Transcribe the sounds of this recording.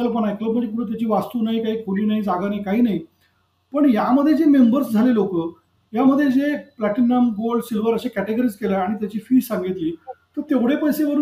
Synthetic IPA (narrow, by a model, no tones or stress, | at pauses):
əlp̬əɳ̃aekləbəʈikuɽũːt̪jat͡ɕiːʋast̪uːnaɦikaɦiːkʰoɽiːnaid͡zaɡanaikaɦiːnaɦi | pəɳjaməd̪ʱːjed͡zemembəɾsd͡zʱalelokəː | jaməd̪ʱːjed͡zeplæʈinːəmɡolɖsilʋəɾəɕekæʈeɡəɾiːd͡zkelaːɽ̃it̪jat͡ɕiːfiːsãŋɡit̪liːt̪əɾt̪eʋɽ̤epəjseʋəɾu